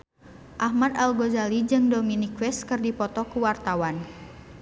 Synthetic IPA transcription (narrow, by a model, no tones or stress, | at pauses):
ʔahmad̪alɡozalid͡ʒɨŋdominikwɛskɨrdipɔt̪ɔkuwart̪awan